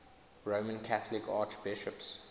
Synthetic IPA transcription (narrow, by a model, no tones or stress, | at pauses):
ɹomə̃nkʰaθəlɪkʰɑ̰ːt͡ʃb̥ɪʃəps